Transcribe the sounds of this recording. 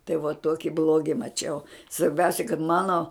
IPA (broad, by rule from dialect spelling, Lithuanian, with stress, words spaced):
tɐɪ ʋuɔ ˈtuɔkʲɪ ˈblˠuɔɡʲɪ mɐˈt͡ʃʲɛʊ sʋɐrʲˈbʲɛʊsʲɛ kɐt ˈmɑːnoː